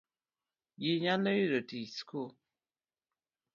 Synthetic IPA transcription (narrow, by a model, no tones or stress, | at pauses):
jiɲaləjiɾotisku